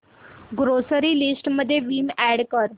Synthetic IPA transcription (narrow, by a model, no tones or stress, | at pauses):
ɡɾosəɾiːlisʈməd̪ʱːjeʋiːmæɽkəɾ